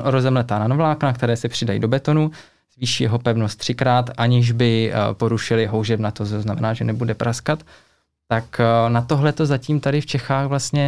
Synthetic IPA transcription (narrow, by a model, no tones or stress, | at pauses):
ʔoɾozɛmlɛt̪aːnanovlaːknak̚t̪ɛɾɛːsɛpr̥ɪdajḭdo̞bɛt̪o̞nu | z̥viːʃiːjɛɦo̞pɛvnost̪ːr̝̥ɪkɾaːt̪ʔaɲɪʒbɪpo̞ɾuʃɪlɪɦo̞wʒɛbnat̪osoznamɛnaːʒɛnɛbudɛpɾʔaskat̪ː | aknat̪o̞ɦlɛt̪o̞zaciːmt̪adɪft͡ʃɛxaːɣvlast̪ɲɛ